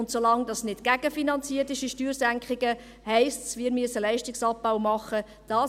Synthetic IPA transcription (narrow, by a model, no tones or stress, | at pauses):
ʊntsolɑŋdɑsnɪdɡ̥æɡ̥əfinɑnt͡siərtɪʃiʃtyːɾsæŋkχɪɡ̥ə | hɛɪstsʋiːɾmyəsəlɛɪʃtɪksɑp̚ːaʊmɑχːə | d̥ɑː